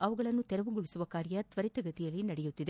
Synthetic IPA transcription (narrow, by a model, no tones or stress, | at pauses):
ɐʋɐɡɐɭɐnːut̪ɛɾɐʋuɡuɭisuʋɐkaːɾjɐt̪ʋɐɾit̪ɐɡɐt̪ijɐlːinɐɽɛjut̪ːid̪e